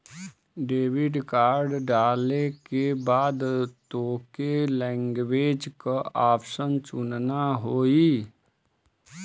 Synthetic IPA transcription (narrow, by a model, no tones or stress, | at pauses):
ɖeːʋɪɖkaːɾɖɖaːlekebaːd̪t̪oːkelɛ̃ːŋɡweːd͡ʒkaaːpʃənt͡ʃʊnnaɦoːi